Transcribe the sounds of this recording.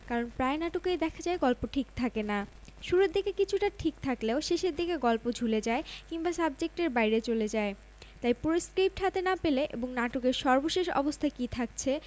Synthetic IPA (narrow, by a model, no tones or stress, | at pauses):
kaɾonpɾaenaʈokejd̪ɛkʰad͡ʑaeɡɔlpoʈʰikt̪ʰakena | ʃuɾeɾd̪ikekit͡ɕʰuʈaʈʰik̚t̪ʰakleoʃeʃeɾd̪ikeɡɔlpod͡ʑʱuled͡ʑaekiŋbasabd͡ʑek̚ʈeɾbajɾet͡ɕoled͡ʑae | t̪ajpuɾiskɾip̚ʈɦat̪enapeleʔḛboŋnaʈokeɾʃɔɾboʃeʃɔ̰bost̪ʰakit̪ʰakt͡ɕʰe